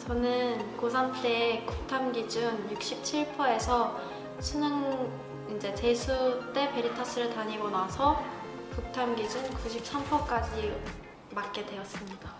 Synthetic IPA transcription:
t͡ɕʌnɯnkosʰanpʰeekuk̚tʰamɡid͡ʑunjuk̚ɕ͈ip̚t͡ɕʰiɭpʰʌe̞sʰʌ | ɕʰinɯŋ | ind͡ʑe̞t͡ɕe̞sʰut͈e̞pe̞ɾitʰʌs͈ʰɯɾɯɭtaɲiɡonasʰʌ | kuk̚tʰamɡid͡ʑunkuɕ̬ʰip̚s͈ampʰʌk͈ad͡ʑi | mak̚k͈e̞dwe̞ʌs͈ɯmɲid̥a

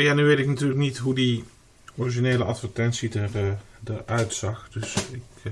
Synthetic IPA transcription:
janyʋeːtɪknatyːrləknitɦudi | ɔriʒineːləʔɑtfərtɛnsidərdəʔœɥtsɑxdøsɪk

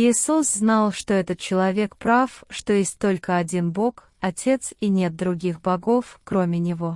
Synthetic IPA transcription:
ɪsusznalˠʂt̪o̞ɛt̪ət̪̚t͡ɕɪlˠɐvʲe̞kpɾafʂt̪o̞jesʲtʲt̪ːo̞lʲkəɐdʲinbo̞k | ɐtʲe̞t̪sinʲe̞t̪̚d̪ɾʊɡʲixbɐɡo̞fkɾo̞mʲɪnʲɪvo̞

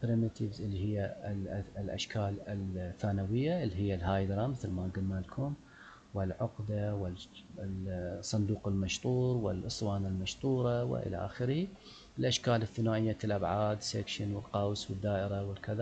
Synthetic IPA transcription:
pɾɪmɪt̪ʰɪvzʔlːiɦɪjːa | lʔa̰ʃkʰaːlɪlθaːnawɪjːaʔlːiɦɪjːalɦaːjd̪ɾˤɑmɪθlmaɡɪlmalkʰʊm | wɪlʕʊqd̪awɪ | sˤɑnd̪uːqɪlmaʃt̪ˤuːɾwɪlʔɨsˤwɑːnalmaʃt̪ˤuːɾˤɑwɪ̰ʔɪ̰la̰ʔa̰xɪɾhi | ɪlʔaʃkaːlɪθːɪnaːʔɪjːat̪ɪlʔabʕaːd̪sekʃɪnwɪlqɑwswɪd̪ːaːʔɪɾawɪlkɪða

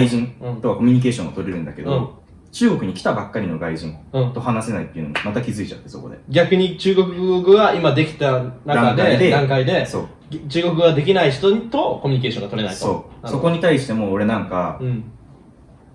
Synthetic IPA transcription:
aiʑĩnɯ̃t̪o̞kako̞mʲiɲ̟ik̬e̞ːɕõ̞ŋ̃ot̪o̞ɾeɾɯ̟̃nd̪ake̞d̪õ | t͡ɕɨːɡo̞kɯ̟ɲ̟ikʲt̪abakːaɾʲino̞ɡaiʑĩnɯ̟̃ːt̪o̞hanase̞nait̪ːeɯ̟noɡmat̪akʲizɨit͡ɕat̪ːe̞so̞ko̞̰d̪e̞̰ɡʲakɯ̟ɲ̟it͡ɕɨːɡo̞kɯ̟ɡɯɡaʔimad̪e̞kʲi̥t̪anad̪ãak̪d̪ead̪ed̪ãŋkaid̪e̞so̞̰ː | t͡ɕɨːɡo̞k̬ɯ̟ɡad̪e̞kʲinaiç̬̥t̪ot̪o̞ko̞mʲi̟ɲ̟ik̬e̞ːɕoŋɡat̪oɾe̞naistoo̞ːso̞ko̞ɲ̟it̪aiɕi̥t̪e̞mo̞ːɾe̞nãŋkaɯ̃

